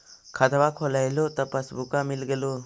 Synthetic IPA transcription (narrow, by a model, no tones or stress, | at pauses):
kʰad̪abakʰɔlajlot̪apasbukamilɡelo